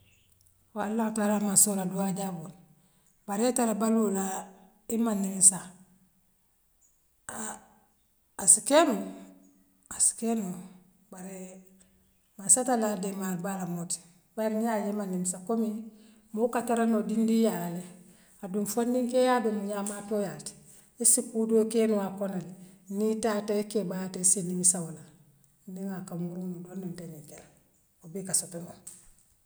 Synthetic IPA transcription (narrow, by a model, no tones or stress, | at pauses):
walːahutaːlaːmasoɾaduaɟabon | baɾetalabalula | imanːimsa | asikenu | asi̥kenu | baɾe | masatalademalbalamoti̥ | baɾijajemanimsakomi | mokataɾanodindijale | adunfondiŋkejaːdomuɲaːmaːtojati̥ | esikuːdokenuakonalenitaːtaekebatisenimisawola | ndiŋakamuɾunudondunteniŋkela | obekasotono